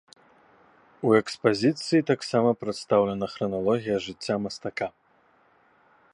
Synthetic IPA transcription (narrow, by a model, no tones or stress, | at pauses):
uɛkspazʲit̪sɨjit̪aksamɐpɾɨt̪st̪awlʲɛnɐxɾɐnalˠɔɣʲijɐʐɨt͡sʲːamɐst̪aka